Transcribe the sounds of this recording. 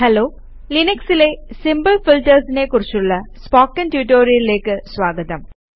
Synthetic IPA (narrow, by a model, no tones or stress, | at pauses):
hɐloː | linɐksile̞simbɐlfilʈːɐrsine̞kurit͡ɕːuɭːɐspoːkːɐntjuːʈːoːrijɐlile̞ːkːɨsʋaːɡɐðɐm